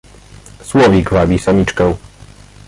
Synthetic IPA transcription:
swɔvʲiɡvabʲisamʲit͡ʂkɛw

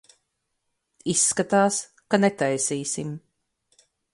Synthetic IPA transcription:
isːkat̪aːs | kanɛt̪ajsiːsim

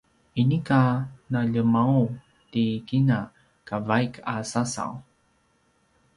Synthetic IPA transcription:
inikanaʎəmau | tikina | kavajkʰasasa̰w

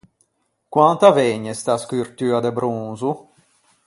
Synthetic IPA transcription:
kwant̪avɛɲɛst̪askyrt̪yːad̪ebɾunzu

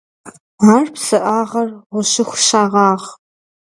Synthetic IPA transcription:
aːrpsɨʔaːʁɐrʁʷʊʃɪxʷʃaːʁɑːʁ

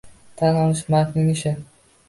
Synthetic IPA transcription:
t̪ʰanɒlˠɪʃmaɾkʲnɪŋɪʃɪ

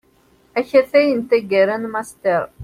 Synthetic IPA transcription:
æçæθæjənt̪æɡæɾænmast̪əɾˤ

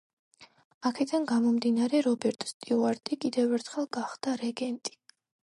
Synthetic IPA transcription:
akʰɛd̪anɡamɔmd̪inaɾɛɾɔbɛɾt̪ʼst̪ʼiuaɾt̪ʼikʼid̪ɛvɛɾt̪ʰχɛlˠɡaχd̪̥aɾɛɡɛnt̪ʼi̥

